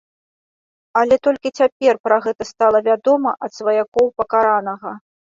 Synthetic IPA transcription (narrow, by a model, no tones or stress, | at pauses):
alʲɛt̪ɔlʲkʲit͡sʲapʲɛrpɾaɣɛt̪ɐst̪alˠɐvʲad̪ɔmɐʔɐt̪svɐjakɔwpɐkaɾanɐɣɐ